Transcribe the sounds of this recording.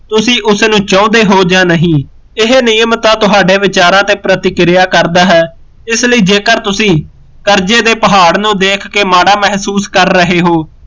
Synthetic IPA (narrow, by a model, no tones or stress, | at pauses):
t̪ʊsĩːʔʊsnũːt͡ʃɔ̃ːnd̪eːɦoːd͡ʒãːnəɦĩː | ɪɦenɪjəmt̪ãːt̪ʊɦaːɖeːʋɪt͡ʃaːɾãːt̪eːpɾət̪ɪkɾɪjaːkəɾd̪aːɦɛː | ɪsləiːd͡ʒeːkəɾt̪ʊsĩː | kəɾd͡ʒeːd̪eːpəɦaːɽnũːd̪eːkʰkeːmaːɽaːmɛɦsuːskəɾːəɦeːɦoː